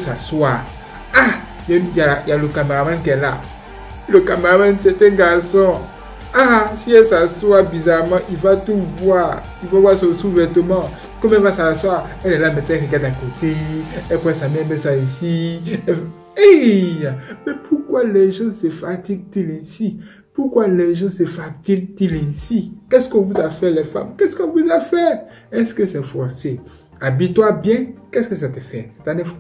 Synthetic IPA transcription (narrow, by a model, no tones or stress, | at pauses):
saswa | a | jɛjajalokameamakɛla̰ | lokameɣamãnt͡ʃɛt̪eɡasɔ̃ | asiɛsasuabizamãʔivat̪ovwa | ivavasɔ̃suvɛt̪omã | komɛvasalaswaɛlɛlamɛt̪ɛ̃fɛkɛdakot̪eɛpwɛsamɛmɛsaesiɛ | eamɛpʰukwalɛʒɑ̃sefat̪iɡ̚t̪ilɛ̃si | pukwalɛʒɑ̃sefat̪iɡ̚t̪ilɛ̃sikɛskɔ̃vuzafɛlɛfa̰mkɛskɔ̃vuzafɛɾ | ɛskəsɛfɔɾse | abit̪wabjɛ̃kɛskəsat̪əfɛsɛ̥t̪ãnɛf